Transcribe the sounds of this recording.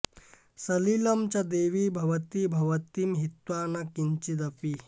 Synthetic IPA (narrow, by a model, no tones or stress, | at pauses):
sɐlilɐmt͡ɕad̪eʋiːbʱɐʋət̪iːbʱɐʋət̪imɦit̪wanakiɲt͡ɕid̪ɐpi